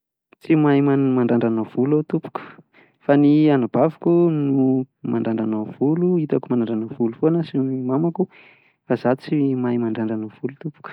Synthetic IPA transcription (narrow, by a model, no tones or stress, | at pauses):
t͡simajmamaɳɖ͡ʐaɳɖ͡ʐanav̥ulot̪upu̥ku̥ | fanianab̥avukunu | maɳɖ͡ʐaɳɖ͡ʐanavuluit̪akumanaɳɖ͡ʐanəvulufonəsinimamaku | razat͡simajmaɳɖ͡ʐaɳɖ͡ʐanav̥ulut̪upu̥kə̥